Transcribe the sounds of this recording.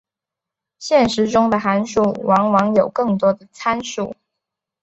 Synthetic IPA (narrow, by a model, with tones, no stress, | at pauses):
ɕjɛ˥˩nʂɻ̩˧˥ʈ͡ʂʊ˥ŋd̪ə˨xa˧˥nʂu˥˩wʔɑ˧˥ŋwɑ˧˥ŋjo˨˩ʊkɤ˥˩ŋt̪wɔ˥d̪ə˨t͡sʰa˥nʂṵ˥˨˩